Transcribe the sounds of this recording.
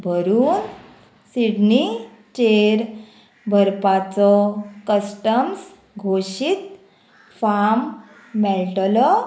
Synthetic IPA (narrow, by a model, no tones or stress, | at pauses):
bʱəɾuːn | siɽni | t͡ɕeɾ | bʱəɾpat͡sɔkəsʈəms | ɡʱoɕit̪ | famː | ɛlʈlɔ